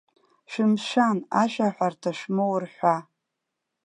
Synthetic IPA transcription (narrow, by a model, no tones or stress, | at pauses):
ʃᶣɪmʃanaʃᶣaħʷartʰaʃmowrħʷa